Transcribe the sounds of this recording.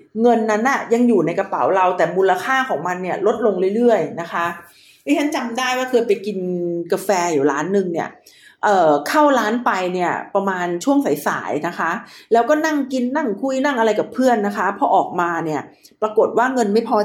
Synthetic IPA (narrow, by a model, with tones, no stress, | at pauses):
ŋɤ˧nːa˦˥nʔa˨˩ja˧ŋjuː˨˩na˧jka˧pa̰˩˦wɾa˧wt̪ɛː˨˩muː˧lːa˧kʰaː˥˩kʰɔː˩˦ŋma˧nːi˥˩ɐəlo˦˥t̪̚lo˧ŋɾɯ˥˩jɾɯ˥˩əjna˦˥kʰa˦˥ʔ | ʔa˦˥˩tʰa˥˩nt͡ɕa˧mdaː˥˩jwaː˥˩kʰɤː˧jpa˧jki˧nka˧fɛː˧juː˨˩laː˦˥nːɯ˧ŋni˥˩ə | ʔɤː˨˩kʰa˥˩wlaː˦˥npa˧jni˥˩ɐpɾa˧maː˧nt͡ɕʰu˥˩əŋsa˩˦jsa̰ː˩˦jna˦˥kʰa˦˥ʔlɛː˦˥wkɔː˥˩na˥˩ŋki˧nːa˥˩ŋkʰu˧˩jna˥˩ŋʔa˧ɾa˧jka˨˩pʰːɯ˥˩ənːa˦˥kʰa˦˥pʰɔ˧˦ʔɔː˨˩k̚maː˧ni˥˩ɐ | pɾa˧ko˨˩t̪̚waː˥˩ŋɤ˧nma˥˩jpʰɔː˧